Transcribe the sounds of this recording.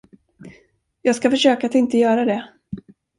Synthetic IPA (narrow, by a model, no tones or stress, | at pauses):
jɑːɡskafœʂøːkaːt̪ɪnt̪əjœːɾad̪ɛ